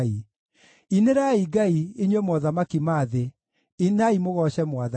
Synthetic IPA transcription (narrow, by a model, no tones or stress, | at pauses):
i | ineɾaiɡaieɲwɛmwɔðamakimaðe | inaimoɣɔʃɛmwaða